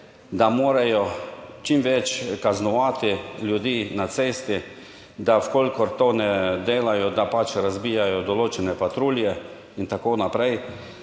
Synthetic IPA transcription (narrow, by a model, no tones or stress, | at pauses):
d̪amoːɾajɔt͡ʃimʋɛt͡ʃkaznɔʋaːt̪iljud̪iːnat̪seːst̪i | d̪awkoːlʲkɔɾt̪onɛd̪eːlajɔd̪apat͡ʃɾazbiːjajɔd̪ɔloːt͡ʃɛnɛpat̪ɾuːljɛ | int̪akonapɾɛj